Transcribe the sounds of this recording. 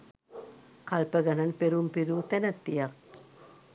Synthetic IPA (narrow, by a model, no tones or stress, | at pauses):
kalpəɡananpeɾumpiɾuːt̪ænət̪ːijak̚